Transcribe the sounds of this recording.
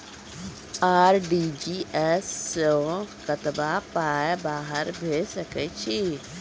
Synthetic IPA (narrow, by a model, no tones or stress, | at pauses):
aːɾɖiːd͡ʒiːʔɛːsokət̪bapaːebaːɦəɾbʱeːsəkɛt͡ʃʰi